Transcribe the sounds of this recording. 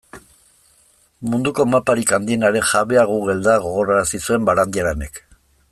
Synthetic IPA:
mund̪uko̞mapaɾikand̪ie̞naɾe̞ŋxaβe̞aɣuɣe̞ld̪aɣo̞ɣo̞ɾaɾasisue̞mbaɾand̪iaɾene̞k

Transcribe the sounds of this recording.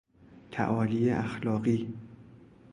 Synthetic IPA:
t̪ʰæ̰ʔɒːlieʔæxlɒːɢiː

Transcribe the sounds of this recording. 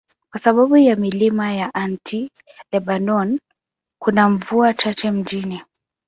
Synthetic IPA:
kwasaɓaɓujamilimajaʔantʰi | lɛɓanɔn | kunaɱvuat͡ʃat͡ʃɛm̩d͡ʒini

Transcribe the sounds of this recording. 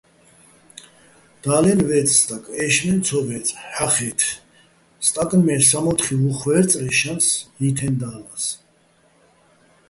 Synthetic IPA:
d̪̥aːlɛnvɛt͡sʼst̪ʼakʼɛʃmɛnt͡sʰɔvɛt͡sʼħaχɛt̪ʰ | st̪ʼakʼnmɛɾsamɔt̪χivuχvɛɾt͡sʼɾɛʃansit̪ʰɛnd̪aːlas

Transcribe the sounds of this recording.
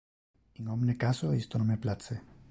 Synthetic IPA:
iŋomnekasoest̪onomeplat͡se

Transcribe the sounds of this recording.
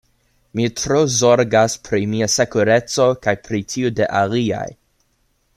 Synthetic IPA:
mitɾozo̞ɾɡaspʰɾimiase̞kuɾe̞t͡so̞kajpɾitʰiudeʔalia̰j

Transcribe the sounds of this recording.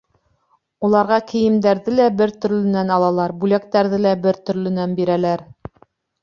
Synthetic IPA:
ulˠɑɾʁɑkɘ̆jɘ̆md̪æɾðɘlæbɘɾt̪ɵ̆ɾlɘ̆nænɑlˠɑlˠɑɾbʉlæk̚t̪æɾðɘlæbɘɾt̪ɵ̆ɾlɘ̆nænbiɾælæɾ

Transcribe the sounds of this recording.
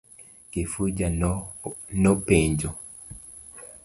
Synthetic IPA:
kifud͡ʒanɔpeɲd͡ʒo

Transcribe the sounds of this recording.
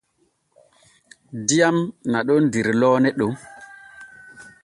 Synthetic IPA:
diamnaɗondiɾlɔːnɛɗo

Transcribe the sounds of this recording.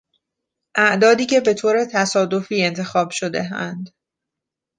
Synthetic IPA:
ʔæʔd̪ɒːd̪iːcʰe̞be̞t̪ʰoːɾe̞t̪ʰæsɒːd̪o̞fiːe̞nt̪ʰe̞xɒːb̥ʃo̞d̪e̞̰ɦænd̪

